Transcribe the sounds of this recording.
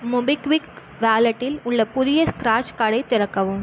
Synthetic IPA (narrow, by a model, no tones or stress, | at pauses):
mʊbɪkʋɪk | ʋaːlɐʈːɪlʊɭːɐpʊðɪjɐskɾaːt͡ʃkɐɽɐɪt̪ːɪɾɐkːɐʋɯm